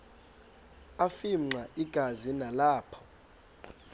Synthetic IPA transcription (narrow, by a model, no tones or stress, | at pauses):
afiŋ͡ǀaʔiɡ̥ʱazinalaːpʰɔ̥